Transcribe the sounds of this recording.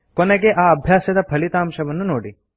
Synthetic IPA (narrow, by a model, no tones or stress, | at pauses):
koneɡeʔaːɐbʱjaːsɐd̪ɐpʰɐlit̪aːmʃɐʋɐnːunoːɽi